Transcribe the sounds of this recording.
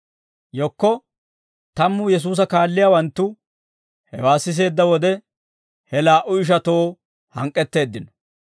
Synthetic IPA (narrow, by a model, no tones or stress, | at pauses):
jɔkːɔ | t̪ɐmːʊjɛs̬uːs̬ɐkaːlːɪjawɐnt̪ːʊ | hɛ̰waːsɪs̬e̞ːd̪ːɐwɔd̪ɛ | hɛlaːʔʊɪʃ̬ɐt̪o̞ː | hɐŋkʼːɛt̪ːe̞ːd̪ːɪnɔ̥